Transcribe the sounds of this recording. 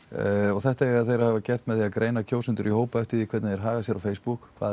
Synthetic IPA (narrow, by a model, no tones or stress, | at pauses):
ɔɣθɛht̪aɛaðθejɾahavacɛr̥t̪mɛðθiakɾeːjnacʰoːwsʏnt̪ʏɾihoːwpaɛft̪iðikʰvɛt̪naðjɛɾ̥ɦaːɣasjɛɾawfeːjspukʰva̰ː